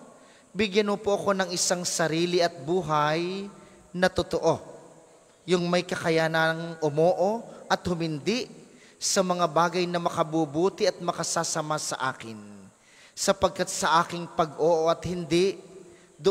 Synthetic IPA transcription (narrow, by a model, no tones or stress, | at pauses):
bɪɡjanmopoʔɐko̞nɐŋʔɪsaŋsɐɾiːlɪʔɐt̪̚buːɦɐj | nɐt̪ot̪oʔo̞ | jʊŋmɐjkɐkɐjaːnɐŋʔʊmoːʔoʔɐt̪̚hʊmɪnd̪ɪʔ | sɐmɐŋabaːɡɐjnɐmɐkɐbuːbuːt̪ɪʔɐt̪̚mɐkɐsasɐmasɐ̰ʔa̰ːkɪn | sɐpɐɡ̚kat̪̚sɐʔaːkɪŋpɐɡʔoːʔoɐt̪hɪnd̪ɪʔ | d̪ʊ